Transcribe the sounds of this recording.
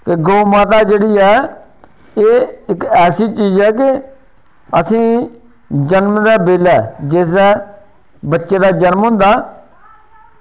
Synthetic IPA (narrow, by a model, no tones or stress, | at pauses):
kɪɡoːmaːt̪aːd͡ʒeːɽiːɛː | eːɪkɛːsiːt͡ʃiːzɛːk̬ɪ | əsĩː | d͡ʒənmd̪aːbeːlɛːd͡ʒesd̪ɛː | bətːʃeːd̪aːd͡ʒənmɦʊ̃nd̪aː